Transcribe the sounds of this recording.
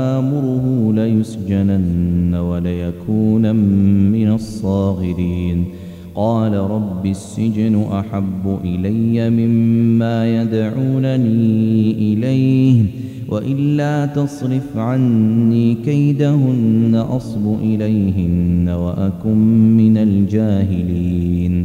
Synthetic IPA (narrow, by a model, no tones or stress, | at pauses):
ʔaːmʊɾʊɦʊlajʊsd͡ʒananːawalajakʰuːnaːɪnasˤːɑːɣɪɾiːn | qɑːlaɾˤɑbːisːɪd͡ʒnʊʔaħabːʊʔɪlajːamɪmːaːjad̪ʕuːnaniːʔɪlajh | wʔaʔɪlːaːt̪ɑsˤɾɪfʕanːiːkajd̪aɦʊnːaʔɑsˤbʊʔɪlajɦɪnːawaʔakʊmːɪnald͡ʒaːɦɪliːn